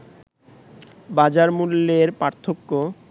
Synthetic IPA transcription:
bad͡ʑaɾmulːeɾpaɾt̪ʰːokːo

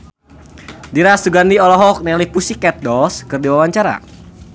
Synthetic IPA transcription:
diɾasuɡandiɔlɔɦɔk̚nɛlipusikɛt̪̚dɔskɨrdiwawaɲt͡ʃaɾa̰

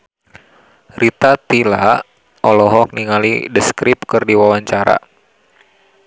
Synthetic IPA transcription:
rit̪at̪ila | ʔɔlɔɦɔk̚niŋalḭdəskɾip̚kərdiwawaɲt͡ʃaɾa̰

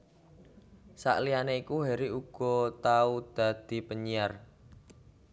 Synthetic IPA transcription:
sa̰ʔlianeikuɦeɾiuɡ̥ɔ̤t̪aud̪̥ä̤d̪̥i̤pəɲiar

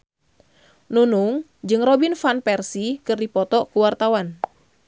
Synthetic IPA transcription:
nunuŋ | d͡ʒɨŋrɔbinfanpɛrsikɨrdipɔt̪ɔkuwart̪awan

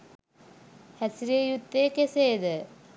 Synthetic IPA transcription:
hɛsɾiɐjut̪ːekeseːd̪ə

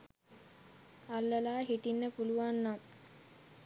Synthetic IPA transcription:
alːəlaːɦiʈ̪inːəpuluʋanːam

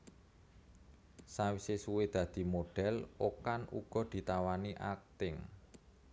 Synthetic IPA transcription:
sawisesuwed̪̥ä̤d̪̥i̤moɖ̥ɛ̤lokanṵɡ̥ɔ̤d̪̥i̤t̪awaniʔa̰k̚t̪ɪŋ

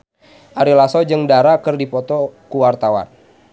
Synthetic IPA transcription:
ʔaɾilasɔd͡ʒɨŋdaɾakɨrdipɔt̪ɔkuwart̪awa̰n

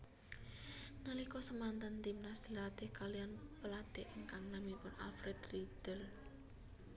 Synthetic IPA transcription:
nəlikɔsəmant̪ənt̪imnasilat̪ɪhkalijanpəlad̪̥eʔəŋkaŋnamipʊna̰lfɾɛt̪rid̪̥əl

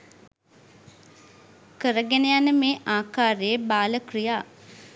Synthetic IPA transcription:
kəɾəɡenejanəmeːʔaːkaːɾejəbaːləkrijaː

